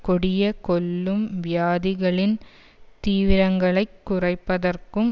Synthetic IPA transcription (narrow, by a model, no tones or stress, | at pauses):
kɔɽɪjɐkɔlːɯmʋjaːðɪɣɐɭɪn | t̪iːʋɪɾɐŋɡɐɭɐɪkːʊrɐɪpːɐðɐrkɯm